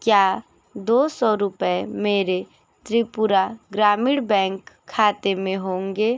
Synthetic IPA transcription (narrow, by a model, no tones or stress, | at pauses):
kjaː | d̪oːsɔːɾʊpəemeːɾe | t̪ɾipʊɾaɡɾaːmɪɽbɛ̃ːŋkʰːaːt̪emẽɦõːŋɡeː